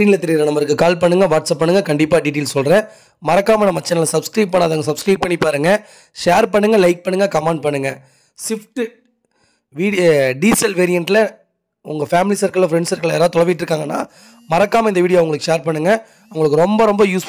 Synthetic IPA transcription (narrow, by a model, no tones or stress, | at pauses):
ɾiːnɪlɐt̪ɛɾɪjɾɐ̃nɐmːɐɾɯkːɯkaːlpɐɳːɯŋɡɐʋaːʈsɐpːɐɳːɯŋɡɐkɐɳɖɪpːaːɖiːʈ̬eːlsɔlɾẽː | mɐɾɐkːaːmɐnɐmːɐt͡ʃːɐnɐlɐsɐbskɾɐɪppːɐɳːaːðaːɡɐsɐbskɾɐɪpːɐɳːɪpːaːɾɯŋɡɐ | ʃeːɾpɐɳːɯŋɡɐlɐɪk̚pɐɳːɯŋɡɐkɐmaːɳɖ̚pɐɳːɯŋɡɐ | sɪfʈ | ʋiːɖiːsɐlʋeːɾɪjɐɳʈlɐ | ʊŋɡɐfaːmɪlisɐɾkɐɭfɾɛɳɖsɐɾkɐɭɛːɾaːðt̪ɔɽɐʋɪʈːɪɾɯkːaːŋɡɐnːa̰ː | mɐɾɐkːaːmɐɪnd̪ɐʋiːɽɪjoːʋɐʊŋɡɐɭɯkːɯʂeːɾpɐɳːɯŋɡɐ | ɐʊŋɡɐɭɯkːɯɾɔmbɐɾɔmbɐjuːs